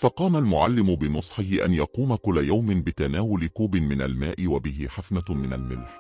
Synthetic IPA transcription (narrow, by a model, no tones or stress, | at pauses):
fɑqɑːmalmʊʕa̰lːɪmʊbɪnʊsˤħɪhɪʔa̰njɑquːmakʊlːajawmɪnbɪt̪anaːwʊlɪkuːbɪmɪnalmaːʔɪwabɪɦɪħafnamɪna̰lmɪ̰lħ